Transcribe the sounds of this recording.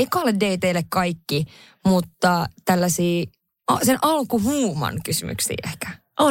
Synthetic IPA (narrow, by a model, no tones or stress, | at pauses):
eikːɑleddeit̪eilːekkɑikːi | mut̪ːɑt̪ælːæsiː | ɑsenʔɑlkuɦuːmɑ̰nkysymy̰ksḭːʔehkæ̥ | ʔo